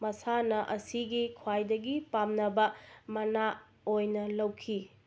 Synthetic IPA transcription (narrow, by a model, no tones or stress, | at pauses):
mɐsanɐʔɐsiɡikʰwajdɐɡipamnɐbɐmɐna | ojnɐlɐwkʰi